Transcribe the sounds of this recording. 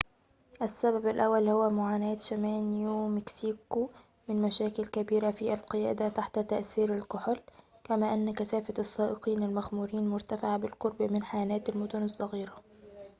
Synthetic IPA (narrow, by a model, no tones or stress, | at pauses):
ʔæsːabæbalʔæwːælhʊwæmʊʕaːnæːt̪ʃæmæːniuwmɪksiːku | mɪnmæʃæːkɪlkæbiːɾafiælqɨjæ̰ːd̪æt̪aħt̪æt̪aʔθiːɾɪlqʊħlkæmæːʔɪnːkæsæːfat̪ɑsˤːɑːʔɪqiːnɪlmæxmuːɾiːnmʊɾt̪afɪʕabɪlqoɾˤbmɪnħajænæːt̪ɪlmʊd̪ʊnɑsˤːɑɣiːɾa